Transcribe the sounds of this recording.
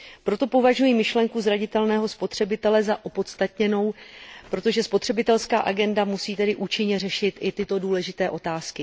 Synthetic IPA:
pɾo̞t̪o̞po̞vaʒujimɪʃlɛŋkuzɾaɟɪt̪ɛlnɛːɦo̞spo̞t̪r̝̥ɛbɪt̪ɛlɛzaʔo̞po̞t̪st̪at̪ɲɛno̞wpɾot̪o̞ʒɛspo̞t̪r̥ɛbɪt̪ɛlskaːʔaɡɛndamusiːt̪ɛdɪʔuːt͡ʃɪɲɛrɛʃɪt̪ʔɪt̪ɪt̪o̞duːlɛʒɪt̪ɛːʔo̞t̪aːskɪ

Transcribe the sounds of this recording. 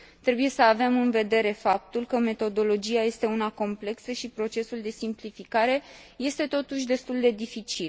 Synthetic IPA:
t̪ɾe̞buje̞səave̞mɨnve̞d̪e̞ɾe̞fap̚t̪ulkəme̞t̪o̞d̪o̞lo̞d͡ʒiaje̞st̪e̞unako̞mple̞ksəʃipɾo̞t͡ʃe̞suld̪e̞simplifikaɾe̞ | je̞st̪e̞t̪o̞t̪uʃ̬ʲd̪e̞st̪uld̪e̞d̪ifit͡ʃil

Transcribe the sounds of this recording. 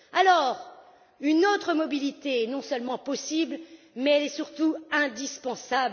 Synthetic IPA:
alɔʁ | ynot̪χəmɔbilit̪eɛnɔ̃sœlmɑ̃pɔsibl | mɛɛlɛsyʁt̪uɛ̃d̪ispɑ̃sabl

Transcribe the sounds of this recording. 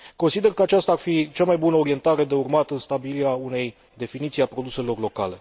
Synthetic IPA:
ko̞nsid̪e̞rkəat͡ʃast̪aːrfit͡ʃamajbunəoɾie̞nt̪aɾe̞d̪e̞urmat̪ɨnst̪abiliaune̞j | d̪e̞finit̪siapɾo̞d̪use̞lo̞rlo̞ka̰le̞

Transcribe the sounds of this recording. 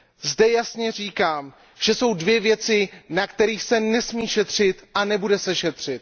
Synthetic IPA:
zdɛjasɲɛr̝iːkaːm | ʒ̥ɛso̞wdvjɛvjɛt͡sɪnakt̪ɛɾiːxsɛnɛsmiːʃɛt̪r̝̥ɪt̪ʔanɛbudɛsɛʃɛt̪r̝̥ɪt̪̚

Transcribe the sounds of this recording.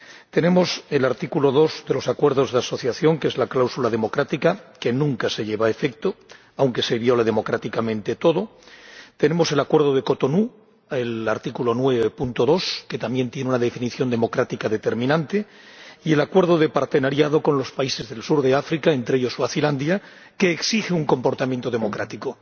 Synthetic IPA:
t̪e̞ne̞mo̞se̞laɾt̪ikulo̞ðo̞zðe̞lo̞sakwe̞ɾð̞o̞zðeaso̞θjaθjo̞ŋkeezlaklawsulað̞e̞mo̞kɾat̪ikake̞nũŋkase̞ʎe̞βaefe̞k̚t̪o | awŋke̞se̞βjo̞leð̞e̞mo̞kɾat̪ikamẽnt̪e̞t̪o̞ðo̞t̪e̞ne̞mo̞se̞lakwe̞ɾð̞o̞ð̞eko̞t̪o̞nu | elaɾt̪ikulo̞nwe̞βepunt̪o̞ðo̞ske̞t̪ambje̞nt̪je̞neunaðe̞finiθjo̞nd̪emo̞kɾat̪ikaðe̞t̪eɾmĩnãnt̪e̞ | ie̞lakwe̞ɾð̞oðe̞paɾt̪e̞naɾjað̞o̞ko̞nlo̞spaise̞zðe̞lsuɾðe̞afɾikae̞nt̪ɾejo̞soaθiland̪ja | ke̞ːksixeuŋko̞mpo̞ɾt̪amjẽnt̪o̞ðe̞mo̞kɾat̪iko

